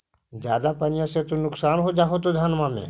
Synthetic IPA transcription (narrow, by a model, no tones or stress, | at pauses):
d͡ʒjaːd̪apənɪjãset̪onʊksaːnɦod͡ʒaːɦot̪̬od̪ʱanmãːmḛ̃ː